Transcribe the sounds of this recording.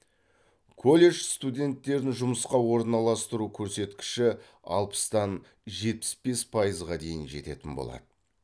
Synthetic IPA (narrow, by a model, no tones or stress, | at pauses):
kʰo̞lʲːe̞ʒst̪ud̪ʲe̞nt̪ːe̞ɾɪnʒʊməsqɑwo̞ɾənɑlˠɑst̪əɾukʲʰɵɾse̞t̪kʲɪ̥ʃɪ | ɑ̰lˠpə̥st̪ɑn | ʒe̞t̪̚pɪ̥sbe̞spʰɑjəzʁɑd̪e̞jɪnʒe̞̰t̪e̞̰t̪ɪnbo̞̰lˠɑ̰d̪ə